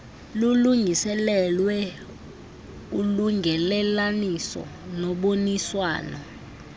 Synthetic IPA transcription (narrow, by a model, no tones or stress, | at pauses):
luluŋʱisɛlɛlwɛ | uluŋʱɛlɛlanisɔ̰nɔɓoniswa̰ːnɔ